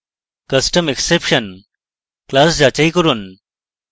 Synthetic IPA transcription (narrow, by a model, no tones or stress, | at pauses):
kəsʈəmeksepʂən | klasd͡ʑat͡ɕaikəɾuːn